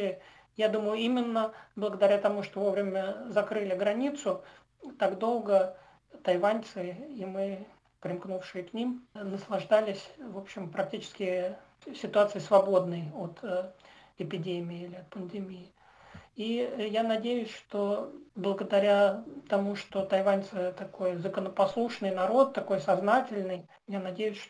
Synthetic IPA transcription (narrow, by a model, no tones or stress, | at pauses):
jad̪uməjʊimʲɪnːəblˠəɡəd̪ɐɾʲat̪ɐmuʂt̪ovo̞vɾʲɪmʲəzɐkɾɨlʲɪɡɾɐnʲit̪sʊ | t̪aɡd̪o̞lˠɡə | t̪ɐjvant̪sɨimɨ | pɾʲɪmknufʂɨjɪknʲimnəslˠɐʐd̪alʲɪsʲvo̞pɕːɪmpɾɐk̚tʲit͡ɕɪ̥skʲɪsʲɪt̪ʊat̪sɨjɪsvɐbo̞d̪nɨjot̪ | ɪpʲɪdʲemʲɪɪilʲɪɐt̪̚pənd̪ʲɪmʲijɪ | ijanɐdʲejʊsʲʂt̪o̞blˠəɡəd̪ɐɾʲat̪ɐmuʂt̪o̞t̪ɐjvanʲt̪sɨt̪ɐkojzəkənəpɐslˠuʂnɨjnɐɾo̞t̪ːɐko̞jsɐznatʲɪlʲnɨj | janɐdʲejʊsʲʂ